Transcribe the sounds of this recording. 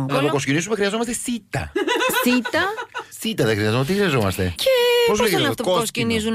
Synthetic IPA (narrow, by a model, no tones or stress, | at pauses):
lɐpokoscinizumexɾiɐzomɐst̪esit̪ɐ̰sit̪ɐsit̪ɐðexɾiɐzomet̪ixɾiɐzomɐ̰st̪ḛcepozsɐnɐft̪ooscinizun